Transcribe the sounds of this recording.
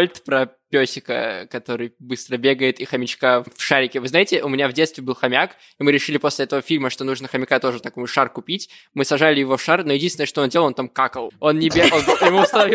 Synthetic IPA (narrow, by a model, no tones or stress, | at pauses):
lʲt̪pɾɐpʲosʲɪkə̰kɐt̪o̞ɾɨjbɨst̪ɾəbʲe̞ɡəjɪt̪ixɐmʲɪt͡ɕkafʂaɾʲɪkʲɪvɨznajɪtʲɪʔʊmʲɪnʲavdʲet̪st̪vʲɪbɨlˠxɐmʲak | imɨɾʲɪʂɨlʲɪposʲlʲɪɛt̪əvəfʲilʲməʂt̪o̞nuʐnəxəmʲɪkat̪o̞ʐɨt̪ɐko̞jʂarkʊpʲitʲ | mɨsɐʐalʲɪjɪvo̞fʂarnojɪdʲinsʲɪnəʂt̪oondʲelˠont̪amkakəlˠo̞nːnʲɪbʲeɡonjɪmust̪ɐnɐvʲi